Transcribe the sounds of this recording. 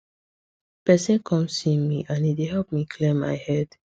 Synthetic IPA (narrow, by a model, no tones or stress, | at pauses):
pɛsɛ̃nkʰɔ̃mssĩmḭʔãnideɦɛlp̚mikʰlẽmːa̰ɪhɛd̥